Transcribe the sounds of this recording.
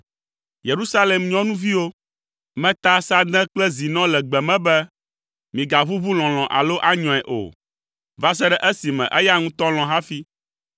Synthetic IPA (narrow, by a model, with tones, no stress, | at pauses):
je˨ɾu˦sa˦le˨mɲɔ̃˦nũ˦vi˦wo˦ | mɛ̃˦t̪a˦sa˦d̪ɛ̃˦k͡plɛ˦zi˨nɔ̃˦lɛ˨ɡ͡bɛ˨mɛ̃˦bɛ˦ | mĩ˨ɡa˨βu˦vu˦l̃ɔ̃˨l̃ɔ̃˨ʔa̰˨lo˦ʔa˦ɲɔ̃˨ɛ˨ʔo̰˨ | va˦s̬ɛ˦ɖɛ˦ʔɛ˦si˨mɛ̰̃˨ʔɛ˦ja˦ŋũ˦t̪ɔ̃˦l̃ɔ̃˨ɦa˦fi˦